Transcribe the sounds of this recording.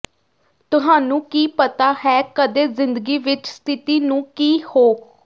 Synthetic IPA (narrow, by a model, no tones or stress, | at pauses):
t̪ʊɦaːnũːkiːpət̪aːhɛːkəd̪eːzɪ̃nd̪əɡiːʋɪt͡ʃst̪ʰɪt̪iːnũːkiːhoː